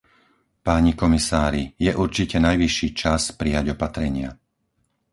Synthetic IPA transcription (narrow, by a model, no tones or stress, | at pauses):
paːɲikɔmisaːɾijɛʔuɾt͡ʃicɛnajʋiʃːiːt͡ʃaspɾijaɟɔpat̪ɾɛɲɪa